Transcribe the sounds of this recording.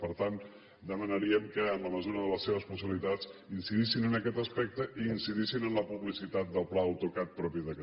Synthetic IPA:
pəɾt̪an | d̪əmənəɾiəmkəːnləməzuɾəðələsːeβ̞əspusiβilit̪at͡sinsiðisinənəkɛt̪əspɛk̚t̪əʔiːnsiðisinənləpuβlisit̪at̪̚d̪əlˠplaəwt̪ukat̪̚pɾɔpiðək

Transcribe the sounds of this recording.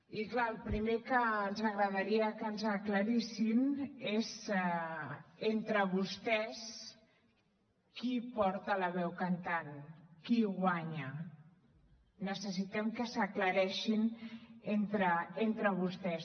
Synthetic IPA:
iklaəlˠpɾimekəːnzəɣɾəðaɾiəkənzəkləɾisinezɛ | ent̪ɾəβust̪ɛs | kipɔɾt̪ələβɛwkant̪ankiɣwaɲə | nəsəs̬it̪ɛmkəsəkləɾɛʃinent̪ɾəent̪ɾəβ̞ust̪ɛs

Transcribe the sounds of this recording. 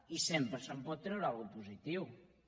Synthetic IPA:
isempɾsəmpɔðt̪ɾeɾalɣupusit̪iw

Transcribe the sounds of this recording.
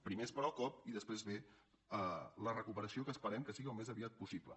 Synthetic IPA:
pɾimespəɾɔkɔp̚iðəspɾezβe | ələrəkupəɾəsiokəːspəɾɛmkəsiɣiəlˠmezəβiat̪̚pusiplə̰

